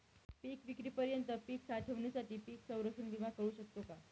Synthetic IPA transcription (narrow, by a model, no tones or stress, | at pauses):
piːkʋikɾiːpəɾjənt̪əpiːksaʈʰəʋɳisaʈiːpiːksə̃w̃ɾəkʂənd̪iʋakəɾuːɕək̚t̪oka